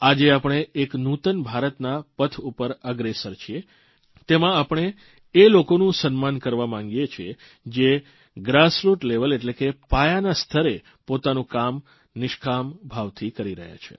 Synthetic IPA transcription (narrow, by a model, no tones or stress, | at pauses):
ad͡ʒeapɽ̃eːknut̪ənbʱaɾət̪napət̪ʰupəɾəɡɾesəɾt͡ʃʰie | t̪emãapəɳ̃eː | lokonũsənmankəɾʋamãŋɡijet͡ʃʰie | d͡ʒe | ɡɾasɾuʈleʋəleʈlekepajanast̪ʰəɾe | pot̪anũkam | nɪʃkʰambʱaʋt̪ʰikəɾiɾə̰ɦja̰t͡ʃʰḛ